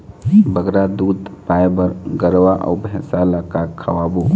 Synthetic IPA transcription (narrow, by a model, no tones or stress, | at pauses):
bəɡɾad̪uːd̪pajbəɾɡəɾʋaʔɔ̰ːbʱɛ̃salakakʰːəwabu